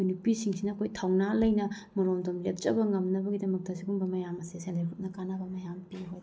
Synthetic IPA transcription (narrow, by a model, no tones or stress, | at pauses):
unupisiŋsinɐːkʰojtʰawnalɐjnɐ | mɐɾomdomlek̚t͡ʃɐbɐŋɐmnɐbɐɡidɐmɐk̚tɐsiɡuŋbɐmɐjamɐsesendekʰut̚nɐkanabɐmɐjampiɦojd